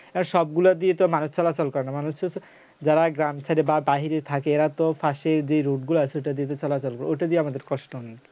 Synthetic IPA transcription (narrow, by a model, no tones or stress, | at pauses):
ɛbonʃɔb̚ɡulad̪iet̪omanuʃt͡ɕɔlat͡ɕɔlkɔɾenamanuʃ | d͡ʑaɾaɡɾamt͡ɕʰaɾebabaɦiɾeɾt̪ʰakeeɾat̪ofʰaʃeɾd͡ʑejɾoɖɡuloasʰeoʈad̪iet̪ot͡ɕɔlat͡ɕɔlkɔɾeojʈad̪ieamad̪eɾkɔʃʈoɦɔnːi